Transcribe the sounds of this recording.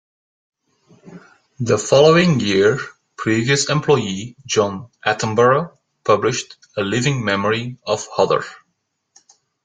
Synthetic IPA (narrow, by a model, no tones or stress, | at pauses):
ðəfɑlˠoʊɪ̃ŋjɪɹ | pʰɹ̥iviəsɛ̃mpʰl̥ɔɪid͡ʒɑ̃nʔætə̃m̩bə˞o | pʰʌblɪʃt | əlɪvɪ̃ŋmɛməɹiʌv̥hʌðə̰˞